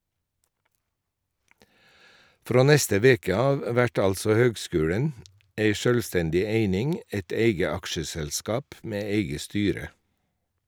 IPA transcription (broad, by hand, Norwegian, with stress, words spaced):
ˈfɾoː ˈnɛstə ˈʋeːkə ˈɑːʋ ˈʋæʈ ˈɑlsɔ ˈhøːɡˌskʉːɽən ˈeɪ ˈʃœlʋˌstɛndɪ ˈeɪnɪŋ ə ˈeɪt ˈeɪɡə ˈɑkʃəsɛlˌskɑːp ˈmeː ˈeɪɡə ˈstyːɾə